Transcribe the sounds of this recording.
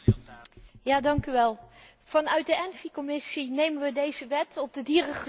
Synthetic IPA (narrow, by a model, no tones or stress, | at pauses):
jaːdɑŋkyʋɛlˠ | v̥ɑnœɥt̚dəɛnvikomɪsinejmənʋədejzəʋɛtɔb̚dədiːrəχə